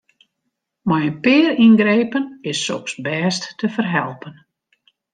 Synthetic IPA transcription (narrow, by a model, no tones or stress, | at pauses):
majənpɪːrinɡɾejpənɪsːɔ̰ksbɛːstːəfərɦɛlˠpən